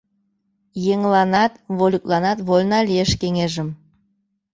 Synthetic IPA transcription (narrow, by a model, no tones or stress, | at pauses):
jeŋlɑnɑt̪βolʲuklˠɑnɑt̪βolʲnɑlʲieʃkeŋeʒə̆m